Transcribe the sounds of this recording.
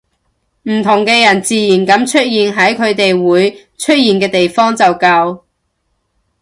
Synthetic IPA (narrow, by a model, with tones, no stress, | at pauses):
m̩˨˩t̪ʰʊ˨˩ŋkɛː˧jɐ˨˩nt͡siː˨jiː˨˩nkɐ˨˧˥mt͡ʃʰɵ˥t̚jiː˨nɦɐ˨˥jkʰɵ˨˧ɥt̪e˨jwuː˨˥j | t͡ʃʰɵ˥t̚jiː˨nkɛː˧t̪e˨jfɔː˥ŋt͡sɐ˨wkɐ˧w